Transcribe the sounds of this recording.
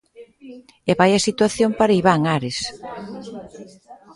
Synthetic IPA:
eβajɐsit̪waθjompaɾaiβaŋaɾɪs

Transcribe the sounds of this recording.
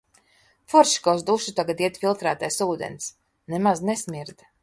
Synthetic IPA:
fɔɾʃkɔwzd̪uʃut̪aɡad̪iɛt̪fʲilˠt̪ɾa̰ːt̪ajsuːd̪ɛ̰ns | nɛmaznɛsmʲiɾd̪

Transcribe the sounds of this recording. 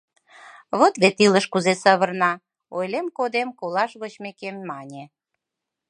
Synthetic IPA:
βot̪βet̪iləʃkuzesəβərnɑ | ojlemkod̪emkolɑʃɣot͡ɕmekemːɑnʲe

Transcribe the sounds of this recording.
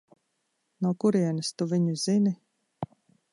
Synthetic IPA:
nukuɾiɛnɨst̪uvʲiɲuz̥ini

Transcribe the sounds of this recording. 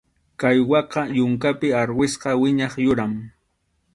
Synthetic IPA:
kajwɑqɑjʊŋkapɪɑɾwɪsqɑwɪɲɑχjʊɾam

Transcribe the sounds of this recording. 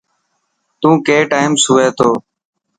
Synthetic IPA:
t̪ũːkeːʈaːɪmsuːeːt̪ʰoː

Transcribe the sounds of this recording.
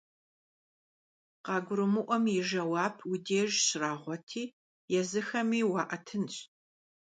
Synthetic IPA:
qɑːɡʷʊɾɨmɨʔʷɔmjɪʒɐwɑːpʰwʊdeːʒɕraːʁʷɔtʰiː | jɛzɨxɐmiːwɑːʔɐtʰɨnɕʼ

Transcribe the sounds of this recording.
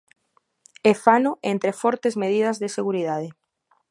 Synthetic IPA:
efanoʔent̪ɾefɔɾt̪ezmeð̞ið̞ɐzðeseɣuɾiðað̞e

